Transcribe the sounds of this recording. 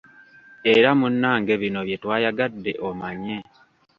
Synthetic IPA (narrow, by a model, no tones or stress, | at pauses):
e̞ɾamunːaːŋɡe̞βino̞βje̞twaːjaɡadːe̞ʔomaɲe